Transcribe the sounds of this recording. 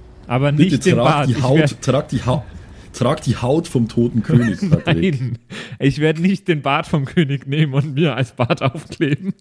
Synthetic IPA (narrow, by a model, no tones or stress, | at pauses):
ʔaːbɐnɪçtəd̥eːnaːaːtiːɪhaʊeɐtʁ̥aːk̚d̥iːha | tʁ̥aːkd̥iːhaʊtfɔmtʰoːtn̩kʰøːnɪksnaaɪnʔɪçv̥eːɐdənɪçt̚d̥eːnbaːtfɔmkʰøːnɪçneːmənʊntmiːɐalsb̥aːtʔaʊfkl̥eːbn̩